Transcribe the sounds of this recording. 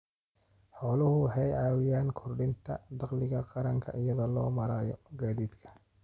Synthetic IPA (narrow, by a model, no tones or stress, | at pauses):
ħɔːlʊhʊħɛjʕɑːwɪjaːnkʰɔrɖɪnt̪ʰɐd̪ɑqlɪɣɐqɑɾɐŋkʰɐ̰ʔɪjɐðɔːlɔːmɐɾaːjɔ̰ɡaːðiːd̪kʰɐ̥